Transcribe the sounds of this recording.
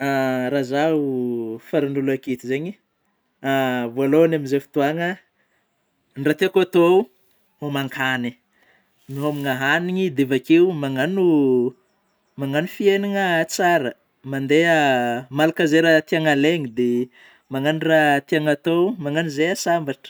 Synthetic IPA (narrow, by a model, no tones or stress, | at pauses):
aɾazaufaɾinulakit̪izeɲi | avoaloanamizefi̥t̪uaŋə | nɖ͡ʐat̪eakat̪o | homaŋkʰani | niɦomiŋaɦaniɲid̪evakeumaŋanu | maŋanufieniŋət͡saɾə | mand̪eəmalakəzeɾat̪iaŋaleŋid̪e | maŋanirat̪iaŋat̪omaŋanizeasambaʈ͡ʂə̥